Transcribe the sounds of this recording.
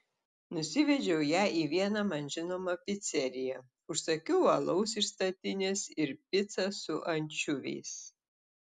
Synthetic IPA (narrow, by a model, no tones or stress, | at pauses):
nʊsʲɪʋʲɛd͡ʒʲɛʊjæːʔiːʋʲiɛnɐmɐnʒʲɪnoːmɐpʲɪt̪sʲɛɾʲɪjɛ | ʊʃsɐkʲɛʊɐlˠɐʊsɪʃst̪ɐt̪ʲɪnʲesɪɾpʲɪt̪sɐsʊʔɐnʲt͡ʃʲʊʋʲɛ̰ɪs